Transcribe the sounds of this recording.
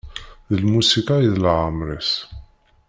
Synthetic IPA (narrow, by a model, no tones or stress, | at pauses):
ðəlmusikajiðlʕəmɾəs